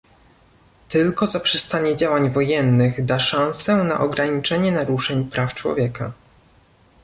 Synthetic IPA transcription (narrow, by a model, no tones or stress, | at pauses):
t̪ɘlkɔzapʂɛst̪aɲɛd͡ʑawaɲvɔjɛnːɘɣd̪aʂãñsɛna̰ʔɔɡɾaɲit͡ʂɛɲɛnaɾuʂɛɲpɾʔaft͡ʂwɔ̰vʲjɛka̰